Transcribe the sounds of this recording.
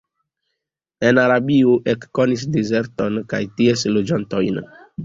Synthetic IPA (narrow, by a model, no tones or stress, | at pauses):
e̞naɾabiuʔekːo̞nis̬dize̞ɾto̞nkajtieslod͡ʒanto̞jn